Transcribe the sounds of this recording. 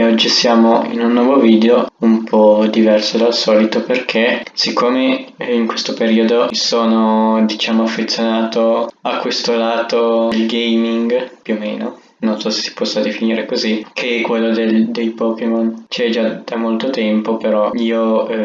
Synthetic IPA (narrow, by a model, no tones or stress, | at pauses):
ɔd͡ʒːisjaːmoḭnunːwɔːvoviːd̪eoumpʰɔd̪ivɛrsod̪alsɔːlit̪operkʰesikʰːoːmeiŋkwest̪opeɾiːod̪osoːnod̪it͡ʃaːmoafːet̪sːjonaːt̪oakːwest̪olaːt̪olɡejmiŋɡpjuomḛːno | nonsɔse̥si̥pɔsːad̪efiniːɾekozikʰekːwelːod̪eld̪ejpɔːkemont͡ʃɛd͡ʒad̪̥amolt̪ot̪ɛmpopeɾɔiːo